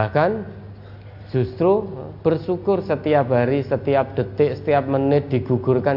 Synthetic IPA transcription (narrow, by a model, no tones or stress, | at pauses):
akan̥ | d͡ʒ̥ṳst̪ɾub̥ərsukʊrsət̪iap̚ɦaɾisət̪iap̚d̪̥ə̤t̪ɪʔsə̥t̪iap̚mənɪd̪̥i̤ɡ̥ṳɡ̥ʊ̤rkan